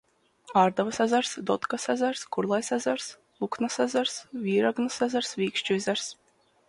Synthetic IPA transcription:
aːɾd̪avasazaɾsd̪ɔt̪kasazaɾskuɾlˠajsazaɾs | uknasazaɾsvʲiːɾaɡnasazaɾsviːkʃt͡ʃuzʲaɾs

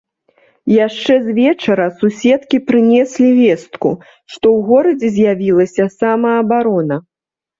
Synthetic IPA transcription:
jaʂt͡ʂɛzʲvʲɛt͡ʂɐɾɐsusʲɛt̪kʲipɾɨnʲɛsʲlʲivʲɛst̪ku | ʂt̪ɔwɣɔɾɐd͡zʲɛzʲjavʲilˠɐsʲɐsamɐːbaɾɔnɐ

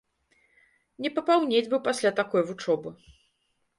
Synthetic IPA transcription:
nʲɛpɐpawnʲed͡zʲbɨwpasʲlʲat̪akɔjvut͡ʂɔbɨ

